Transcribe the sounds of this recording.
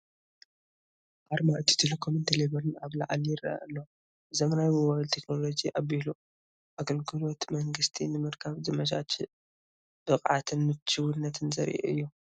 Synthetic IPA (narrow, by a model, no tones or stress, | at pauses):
ʔaɾmaʔɨt̪ʰi̥t̪ʰelekʰomɨnt̪ʰeleβɐlɨnaβla̰ʕaljɪraa̰ʔɨlːo | ʔɨzomnajwɨwalt̪ʰekno̞lo̞d͡ʒiʔaβilu | ʔaɡɐlɡɨlo̞t̪mɐŋɡɨst̪ʰinɨmɨɾkʰaβzɨmɐd͡ʒa̰t͡ʃ | b̥ɨχʼʕa̰t̪ʰɨnːɨt͡ʃːɨwɨnːɐt̪ʰɨnzɐ̰ɾʔḛʔɨ̰jːu